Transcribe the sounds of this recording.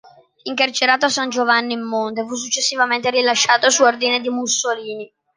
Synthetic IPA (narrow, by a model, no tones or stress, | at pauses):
iŋkart͡ʃeɾaːt̪oasand͡ʒovanːiimːont̪efus̬ːut͡ʃːesːivament̪eɾilaʃːaːt̪osuord̪ined̪imusːoliːni